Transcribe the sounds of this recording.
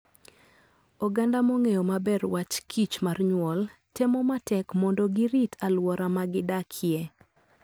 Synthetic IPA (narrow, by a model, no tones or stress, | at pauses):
ɔɡandamoŋejomabɛrwat͡ʃkʰit͡ʃmarɲwɔltemɔmatɛkmɔndoɡɪɾitʰalwɔɾamaɡɪdakʰje